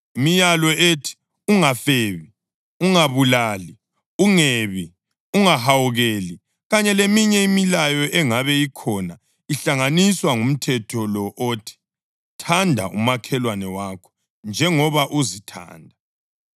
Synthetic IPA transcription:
imijalɔʔetʰi̥ | uŋafeːβi | uŋaβulaːli | uŋeβi | uŋaɦawuɣeːli | ɣaɲɛlemiɲɛimilajɔʔɛŋaβɛikʰɔna | iɬaŋaniswaŋum̩tʰɛtʰɔlɔʔotʰi̥ | tʰandʱa̰ʔṵmakʰɛlwanɛwaːkʰɔ̥ | nd͡ʒʱɛŋɔβaʔuzitʰa̰ːndʱa

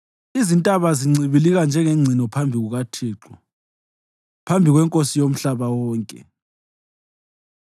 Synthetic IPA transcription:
izintʼaβaziŋ͡ǀʱiβiliɣand͡ʒʱɛŋeŋ͡ǀʱinɔpʰambʱiɣuɣatʰiːǁɔ | pʰambʱiɣwɛŋkʼosijom̩ɬaβawɔːŋkʼɛ̰

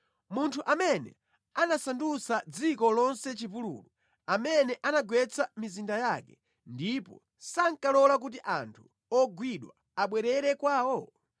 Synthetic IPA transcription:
muntʰuʔamɛnɛ̰ | anasandusad͡zikɔlɔnsɛt͡ʃipulṵlu | amɛnɛʔanaɡwɛt͡sʰamizindajakɛ | ndipɔ̰ | saŋkalɔlak̬ut̬iʔa̰ntʰu̥ | ɔɡwiɗwa̰ | aɓwɛɾɛɾɛkwaːwɔ

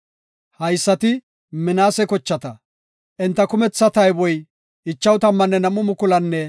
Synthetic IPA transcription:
hɐjsːɐt̪ɪ | mɪnaːsɛkɔt͡ʃːɐt̪ɐ | ʔɪnt̪ːɐkʊmɛt͡sːɐt̪ɐjbɔj | ɪt͡ʃːɐwt̪ɐmːɐnːɛnɐmʊmʊkʊlɐnːɛ

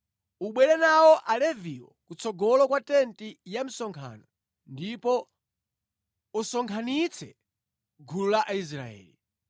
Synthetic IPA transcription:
uɓwɛlɛnawɔʔalɛviwɔ̰kut͡sʰɔɡɔlɔkwatɛntijam̩sɔŋkʰa̰nɔ | ndipɔ | usɔŋkʰanit͡sʰɛ | ɡʱululaʔais̬ɾa̰ɛ̰ːli

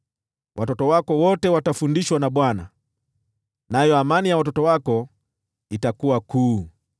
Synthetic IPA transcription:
wʔatɔtɔwakɔwɔtɛwatafundiʃwanaɓwana | najɔamanijawatɔtɔwakɔ | itakuwakuː

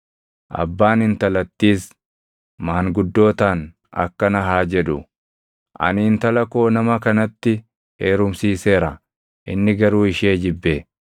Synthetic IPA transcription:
ʔɐ̰bːaːnɪnt̪ɐlɐt̪ːiːs | maːŋɡʊd̪ːo̞ːt̪aːn | ɐ̰kːɐnɐɦaːd͡ʒɛᶑʊ | ʔɐ̰niːnt̪ɐlɐko̞ːnɐmɐkɐnɐt̪ːɪ | eːɾʊmsiːse̞ːɾɐ | ʔɪnːɪɡɐɾuːɪʃeːd͡ʒɪbːeː

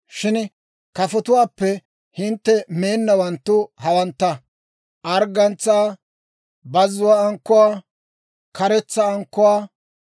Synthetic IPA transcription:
ʃɪn | kɐfɔt̪ʊwaːpːɛ | hɪnt̪ːɛme̞ːnːɐwɐnt̪ːʊhɐwɐnt̪ːɐ | ʔɐɾɡɐnt͡sːaː | bɐzʊwaːŋkːʊwaː | kɐɾɛt͡sːɐːŋkːʊwaː

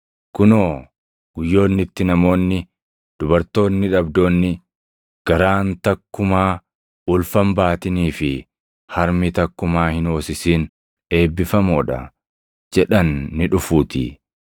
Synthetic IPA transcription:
kʊnoː | ɡ̥ʊjːo̞ːnːɪt̪ːɪnɐmo̞ːnːɪ | d̪̥ʊbɐɾt̪o̞ːnːɪᶑɐbd̪o̞ːnːɪ | ɡ̥ɐɾaːnt̪ɐkːʊmaː | ʊlfɐmbaːt̪ɪniːfɪ | hɐɾmɪt̪ɐkːʊmaːhɪno̞ːsɪsiːn | e̞ːbːɪfɐmoːᶑɐ̰ | d͡ʒɛᶑɐnːɪᶑʊfuːt̪ɪ̰

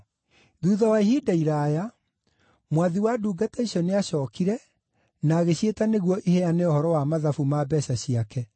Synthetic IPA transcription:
ðuːðawaiɦidaiɾaja | mwaðiwaduːɡatɛiɕɔneaɕɔːkiɾɛ | naːɣeɕietaneɣwɔʔihɛaneɔhɔɾɔwamaðafumabɛɕaɕiakɛ

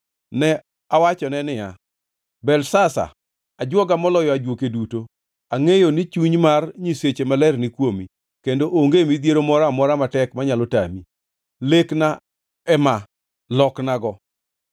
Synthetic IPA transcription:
nɛ | awat͡ʃɔnɛnɪja | bɛlsasa̰ | ad͡ʒwɔɡamɔlɔjɔad͡ʒwokeduto | aŋejonɪt͡ʃuɲmarɲiset͡ʃemalɛrnɪkwomi | kendoʔoŋɡemid̪jeɾomɔɾamɔɾamatɛkmaɲalɔta̰mi | lekna | ɛma | lɔknaɡɔ

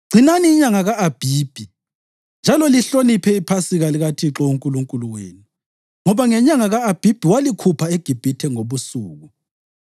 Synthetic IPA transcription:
ɡ͡ǀʱinaniːɲaŋaɣaʔːb̥ʱiːb̥ʱi | nd͡ʒʱalɔliɬonipʰɛipʰasiɣaliɣatʰiǁɔuŋkʼuluŋkʼuluwḛːni | ŋɔβaŋɛɲaŋaɣaːb̥ʱib̥ʱiwalikʰupʰaeɡ̥ʱib̥ʱitʰɛŋoβusuːɣu

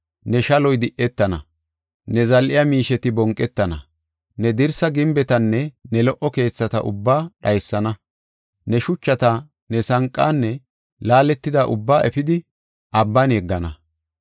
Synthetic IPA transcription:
nɛʃɐlɔjd̪ɪʔɛt̪ːɐnɐ̰ | nɛzɐlʔɪjɐmiːʃɛt̪ɪbɔŋkʼːɛt̪ːɐnɐ̰ | nɛd̪ɪɾsɐɡɪmbɛt̪ɐnːɛnɛlɔʔɔke̞ːt͡sːɐt̪ɐ̰ʔʊ̰bːaːɗɐjsːɐnɐ | nɛʃʊt͡ʃːɐt̪ɐ | nɛsɐŋkʼːaːnːɛ | laːlɛt̪ːɪd̪aːʔʊbːaːʔɛfɪd̪ɪ | ʔɐbːɐnjɛɡːɐnɐ

